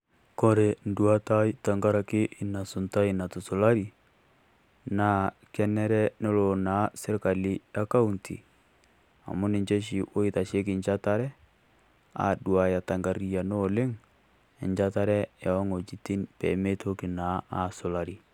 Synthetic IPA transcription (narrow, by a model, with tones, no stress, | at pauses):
kɔ˦ɾe˨n˦dwa˦ta˦jta˨ŋɡa˦ɾa˨kɪ˦ʔɪ˨na˨sʊ˨nta˦ɪ˨na˨tʊ˨sʊ˨la˦ɾi˨ | naː˨˦ | kɛ˦nɛ˦ɾɛ˦no˦lo˨na˨˦sɪ˦ɾka˨li˦ja˦ka˦u˨ntʰḭ˨ | a̰˨mʊ˦nɪ˨ɲt͡ʃɛ˦ʃ̬i˨ʔo˦ɪ˦ta˨ʃe˦k̬ɪ˨ɲd͡ʒa˦ta˦ɾɛ˦ | a̰˨dwa˨ja˨ta˨ŋɡa˨ɾi˨ja˨no˦˨lɪ˦ŋ | ɪ˨ɲd͡ʒa˦ta˦ɾɛ˦ja˨ɔ˦ŋo˨t͡ʃi˦ti˦npɛ̰˨me˦tʰo˦kɪ˨na˨˦a˨sʊ˨la˨ɾi˨